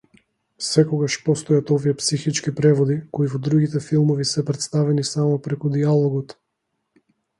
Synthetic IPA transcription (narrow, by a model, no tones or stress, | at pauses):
sɛkɔɡaʃpɔst̪ɔjat̪ɔviɛpsixit͡ʃkipɾɛvɔd̪ikoivɔd̪ɾuɡit̪ɛfilˠmɔvisɛpɾɛt̪st̪avɛnisamɔpɾɛkud̪ialˠɔɡɔt̪